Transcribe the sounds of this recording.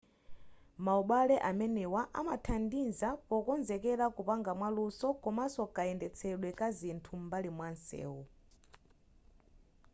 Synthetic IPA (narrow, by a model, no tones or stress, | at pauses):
mauɓalɛʔamɛnɛwaʔa̰matʰandinzapɔkɔnzɛkɛɾakupaŋɡamwalusɔkɔmasɔkaɛndɛt͡sʰɛɗwɛkazintʰumbalimwansɛ̰ːwu